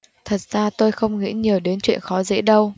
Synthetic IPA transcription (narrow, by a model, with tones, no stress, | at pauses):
t̪ʰə˨˩t̚z̥aː˧t̪o˧jxə˧wŋ͡mŋḭ˧˥ɲi˨˩əwɗe˨˦nt͡ɕwḭ˧˨ənxɔ˨˦zḛ˧˥ɗə˧w